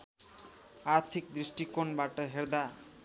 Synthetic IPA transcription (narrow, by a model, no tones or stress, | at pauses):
aɾt̪ʰik̚d̪ɾiʃʈikonbaʈəɦeɾd̪a